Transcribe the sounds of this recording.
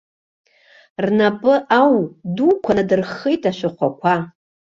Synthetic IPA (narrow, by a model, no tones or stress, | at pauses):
rnapʼɨʔawdukʷʰanadɨrχijtʼaʃʷᶣaχʷakʷʰa